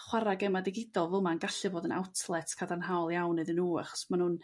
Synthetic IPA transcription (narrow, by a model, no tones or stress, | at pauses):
χwaɾaɡɛmadɪɡɪdɔlˠvɪlˠmanɡaɬɨboːdəna̰wtʰlˠɛtʰkʰadanɦaɔlˠjawneðənuːa̰χɔ̥smanhuːn